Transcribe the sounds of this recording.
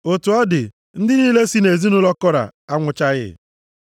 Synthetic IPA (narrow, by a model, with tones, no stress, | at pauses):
o˨tu˨ɔ˦dɪ˨ | n̩˦dɪ˦niː˦le˦si˦ne˨zi˦nʊ˦lɔ˦kɔ˦ɾa̰˨a˦ŋʷʊ˨t͡ʃa˦ɣɪ̰˦